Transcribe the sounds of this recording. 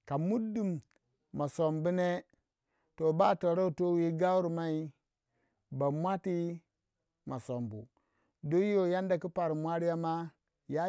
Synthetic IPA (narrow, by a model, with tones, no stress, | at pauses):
ka˨mu˦du˦mː | a˨so˨mbu˦ne˦ | to˨ba˦to˨ɾo˦u˨to˦wi˦ɡa˦wu˦ɾma˦i˦ | ba˨mʷa˦ti˦ | ma˨so˨mbṵ˨ | do˦jo˦˨ja˦nda˨ku˦pa˨ɾi˨mʷ˦a˦ɾi˦ja˦ma˦ | ja˦